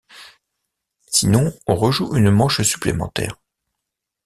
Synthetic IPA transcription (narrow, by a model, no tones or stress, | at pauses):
sinɔ̃ɔ̃ʁəʒuʔynmɑ̃ʃsy̥plḛmɑ̰̃t̪ɛ̰ːʁ